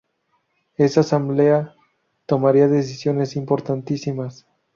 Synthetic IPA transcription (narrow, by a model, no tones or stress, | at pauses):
e̞sasamble̞a | t̪o̞maɾiaðe̞s̬isjo̞ne̞simpo̞ɾt̪ant̪isimas